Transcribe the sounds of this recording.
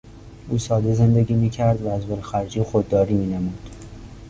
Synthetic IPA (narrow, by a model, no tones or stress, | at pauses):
ʔuːsɒːd̪eze̞nd̪eɡiːmiːcʰæɾd̪vææzbolxæɾd͡ʒiːxod̪ːɒːɾiːmiːnemuːd̪̥